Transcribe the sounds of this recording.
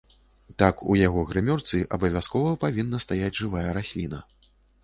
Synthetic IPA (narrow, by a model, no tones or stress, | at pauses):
t̪akṵjaɣɔɣɾɨmʲɔrt̪sɨʔɐbɐvʲaskɔvɐpavʲinːɐst̪ajad͡zʲʐɨvajɐɾasʲlʲinɐ